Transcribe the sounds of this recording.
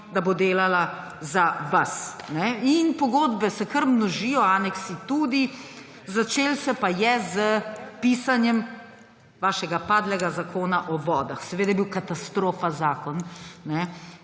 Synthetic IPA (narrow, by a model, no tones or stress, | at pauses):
d̪abod̪eːlala | zaʋasnɛinpɔɡoːd̪bɛsɛkəɾmnɔʒijɔaːnɛksit̪uːd̪i | zat͡ʃeːlsɛpajɛzəpiːsanjɛm | ʋaːʃɛɡapaːd̪lɛɡazakʰoːnaʔɔʋɔːd̪axsɛʋeːd̪ajɛbiwkat̪ast̪ɾoːfazaːkɔnnɛ